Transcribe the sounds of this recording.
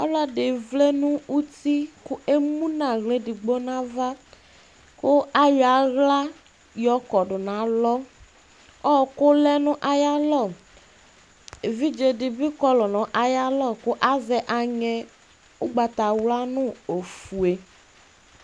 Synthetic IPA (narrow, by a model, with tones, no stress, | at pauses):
ɔ˦lɔ˦dɪ˨vle˦nʊ̃˦u˦ti˦kʊ˦e˦mũ˦nã˨ɣle˨˦dɪ˨ɡ͡bo˦nã˦va˦ | kʊ˦a˦ja˨˦ɣla˦ | jɔ˦kɔ˨dʊ˨nã˨lɔ˦ | ɔ˦˨kʊ˦lɛ˦nʊ̃˦ʔa˨ja˦lɔ˦˨ | e˨vi˦d͡ʒe˨dɪ˨bi˦kɔ˦lɔ˨nɔ̃˨˦ʔa˨ja˦lɔ˦˨kʊ˦ʔa˦zɛ˨ʔa˨ɲɛ˨ | ʊ˦ɡ͡ba˨t̪a˨wla˦nʊ̃˦o˨fu˨e˨